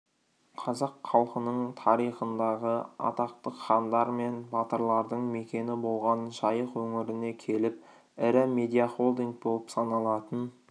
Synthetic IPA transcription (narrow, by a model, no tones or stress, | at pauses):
qʰɑzɑqʰːɑlˠqənəɴt̪ʰɑɾijχənd̪ɑʁəɑ̰t̪ɑq̚t̪əqχɑnd̪ɑɾme̞nbɑt̪əɾlˠɑɾd̪əɴme̞kʲe̞nɪbo̞lˠʁɑnʒɑjəqwɵŋɪɾɪne̞kʲʰe̞lɪp̚ | ɪɾɪme̞d̪ijaχo̞lˠd̪iŋk̚bo̞lˠəpsɑnɑlˠɑt̪ən